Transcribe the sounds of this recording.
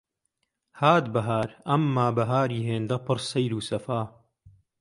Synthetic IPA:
haːt̪bɐɦaːɾɐmːaːbɐɦaːɾiːɦeːnd̪ɐpɨɾsɐjɾuːsɐfaː

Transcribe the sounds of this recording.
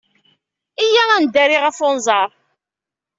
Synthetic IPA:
ijæænd̪æɾiʁəfʊnzˤɑɾˤ

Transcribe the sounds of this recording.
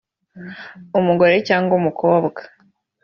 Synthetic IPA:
umuɡo̞ɾe̞caːŋɡomukʰo̞ːbɡḁ

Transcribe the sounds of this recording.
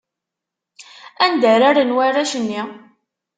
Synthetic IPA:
ænd̪æɾaɾənwaræʃənːi

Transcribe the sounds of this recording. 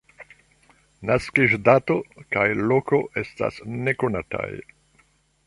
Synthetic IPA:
naskiʒdato̞kajlo̞ko̞ʔe̞sta̰sne̞ko̞nata̰j

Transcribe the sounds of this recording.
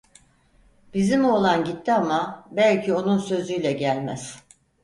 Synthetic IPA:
b̥izimo̞lˠanɟit̪ʰːiamabælʲcʰio̞nunsø̞zyjlʲɛɟælʲmæz̥

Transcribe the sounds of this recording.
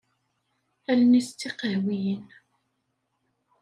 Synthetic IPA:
ælnist͡sːiqəɦwijən

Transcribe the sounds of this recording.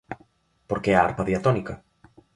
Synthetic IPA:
poɾkeɛaa̰ɾpaðiat̪onikɐ

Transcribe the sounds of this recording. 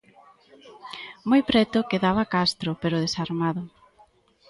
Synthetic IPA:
mojpɾɛt̪ʊkeðaβɐkast̪ɾʊpeɾʊðesaɾmaðʊ

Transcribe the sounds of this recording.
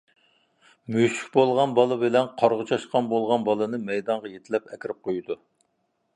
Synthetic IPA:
myʃy̥kʲbolˠʁɑnbɑlˠɨbɪlɛnqʰɑɾʁʊt͡ʃʰɑʃqɑnbolˠʁɑnbɑlˠɨnɨmɛjd̪ɑŋʁɑjet̪ʰɪlɛpɛkʲɪɾɪp̚qʰojud̪u

